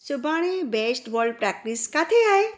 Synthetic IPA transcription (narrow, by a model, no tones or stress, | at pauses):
t͡ʃubaɽ̃ebesʈbɔlɖpɾak̚ʈiskat̪ʰeae